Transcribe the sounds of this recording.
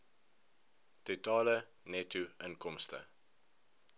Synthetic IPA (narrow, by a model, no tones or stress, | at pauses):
tutɑːlə | nɛtuənkɔmstə̰